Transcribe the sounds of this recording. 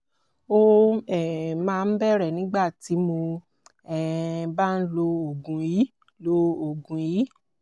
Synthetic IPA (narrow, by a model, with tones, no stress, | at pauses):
o˦ɛ˦˨mãː˦˧n̩˦bɛ˦ɾɛ˦˨nĩ˨˦ɡ͡ba˦˨ti˨˦mo˧ | ɛ˦˨ba˦n̩˦lo˧o˨ɡũ˨ji˨˦ | lo˧o˨ɡũ˨ji˨˦